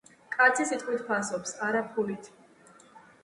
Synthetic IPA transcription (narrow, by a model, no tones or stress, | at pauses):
kʼat̪sʰisit̪ʼqʼwit̪ʰpʰasɔpsaɾapʰulit̪ʰ